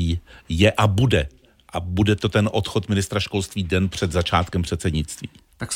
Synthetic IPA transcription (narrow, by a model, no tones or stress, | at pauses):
iːjɛʔabudɛ | ʔabudɛt̪o̞t̪ɛnʔo̞t̪xo̞t̪mɪnɪst̪ɾaʃko̞lst̪viːdɛnpr̝̥ɛd̪zat͡ʃaːt̪kɛmpr̥ɛt̪sɛdɲɪt͡st̪viːt̪ak